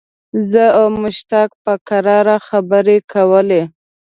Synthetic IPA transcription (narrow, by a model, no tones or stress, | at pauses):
zəawmʊʃt̪ak̚pəkaɾɑɾaxabəɾekawəle